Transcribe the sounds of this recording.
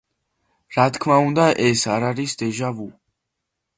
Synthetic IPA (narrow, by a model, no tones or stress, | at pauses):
ɾat̪ʰkʰmaund̪aʔɛsaɾaɾisd̪ɛʒavu